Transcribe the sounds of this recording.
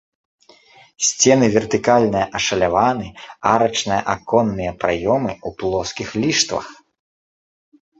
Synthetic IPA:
sʲt͡sʲɛnɨvʲɛrt̪ɨkalʲnɨjɐʔɐʂɐlʲavanɨaɾɐt͡ʂnɨjɐ̰ʔakɔnːɨjɐpɾajɔmɨuplˠɔskʲixlʲiʂt̪vɐ̰x

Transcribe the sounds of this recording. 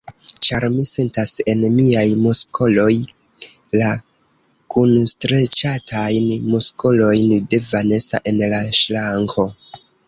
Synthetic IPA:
t͡ʃaɾmise̞ntase̞nmiajmuskʰolo̞j | la | kunstɾe̞t͡ʃatʰajnmuskolo̞jnde̞vane̞sa̰ʔe̞nlaʃlaŋko̞

